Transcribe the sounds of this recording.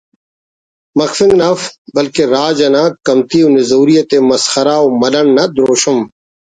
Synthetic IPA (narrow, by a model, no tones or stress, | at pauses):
mɐkfɪ̃ŋɡnaːfbɐlkeɾaːd͡ʒɐnakɐmt̪iːwnɪzuːɾijɐt̪emɐsxɐɾaːwmɐɗɐnnɐd̪ɾoːɕʊm